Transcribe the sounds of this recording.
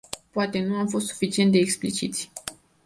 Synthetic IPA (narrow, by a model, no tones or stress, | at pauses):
poat̪e̞nuamfo̞st̪su̥fit͡ʃie̞nt̪d̪eːksplit͡ʃit̪sʲ